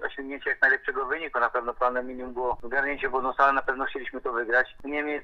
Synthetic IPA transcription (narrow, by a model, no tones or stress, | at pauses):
ɔ̰ɕɔŋɡɲʲeɲt͡ɕɛjak̚najlɛpʂɛɡɔvɘɲikunapɛvnɔpɾanɛmʲiɲʲimumbɔɔzɡaɾɲeɲt͡ɕɛbɔd̪ɔsalɛnapɛvnɔxt͡ɕelʲiɕmɘt̪ɔvɘɡɾat͡ɕɲemʲɛt̪